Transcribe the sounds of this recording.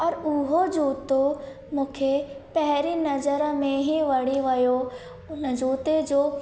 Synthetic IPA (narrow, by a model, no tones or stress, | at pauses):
ɔːɾʊɦod͡ʑuːt̪o | mũːkʰepɐɦɾinɐzəɾmẽɦiʋɐɽiʋɐjo | nd͡ʒuːt̪ed͡ʑoː